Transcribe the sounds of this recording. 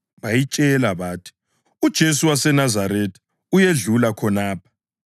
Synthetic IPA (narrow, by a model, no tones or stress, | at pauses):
βajit͡ʃʼɛlaβaːtʰi̥ | ud̥ʒ̥ʱes̬uwasɛnazaɾetʰi̥ | ujeɮulakʰɔnaːpʰḁ